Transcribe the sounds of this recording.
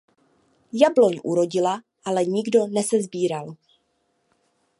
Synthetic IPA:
jablo̞ɲʔṵɾo̞ɟɪla | ʔalɛɲɪɡdo̞nɛsɛzbiːɾal

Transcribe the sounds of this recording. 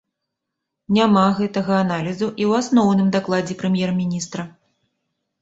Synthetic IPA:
nʲamaɣɛt̪ɐɣɐːnalʲizuʔiwasnɔwn̪ɨmd̪aklˠad͡zʲɛpɾɨmʲjɛrmʲinʲist̪ɾɐ

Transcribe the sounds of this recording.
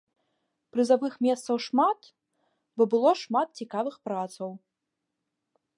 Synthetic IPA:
pɾɨzavɨxmʲɛst̪sɐwʂmat̪ | bɔbɨlˠɔʂmat̪̚t͡sʲikavɨxpɾat̪sɐw

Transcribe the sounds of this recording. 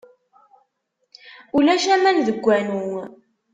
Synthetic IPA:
ulæʃæmænðəɡʷːænuŋ

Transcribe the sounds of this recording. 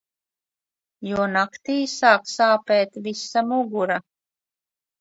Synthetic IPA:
juɔnakt̪iːsaːksaːpeːt̪visamuɡuɾa

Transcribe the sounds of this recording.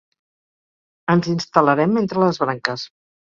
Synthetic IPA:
ənzinst̪ələɾɛment̪ɾələzβɾaŋkəs

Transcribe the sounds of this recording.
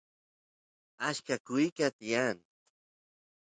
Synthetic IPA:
aʃkakʊjkat̪ian

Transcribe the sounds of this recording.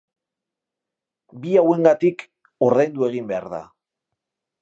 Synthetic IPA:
biawe̞ŋɡat̪ik | oɾðajnd̪ue̞ɣ̞imbe̞a̰ɾða̰

